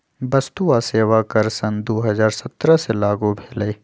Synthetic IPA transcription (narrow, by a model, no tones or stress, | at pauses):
bɐst̪uaseːʋakɐɾsɐnd̪oːɦɐzaːɾsɐt̪ɾəselaːɡobʱeːleː